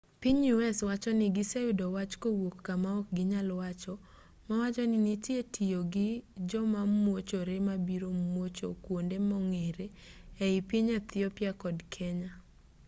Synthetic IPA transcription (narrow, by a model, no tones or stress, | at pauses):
piɲuɛswat͡ʃɔnɪɡɪseʊdɔwat͡ʃkowokːamaɔk̚ɡɪɲalwat͡ʃɔ | mawat͡ʃɔnɪnitjetʰijoɡɪd͡ʒɔmamwot͡ʃoɾemabiɾomwot͡ʃo̰kwondemɔŋeɾeɛɪpiɲat̪ɪɔpjakɔdkʰeɲa